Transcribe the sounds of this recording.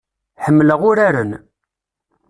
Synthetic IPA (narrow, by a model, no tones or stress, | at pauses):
ħəmːləʁʊɾaɾən